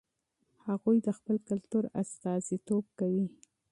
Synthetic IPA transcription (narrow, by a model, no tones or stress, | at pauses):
haɣujd̪əxpəlkalt̪uɾast̪ɑzit̪ob̚kawi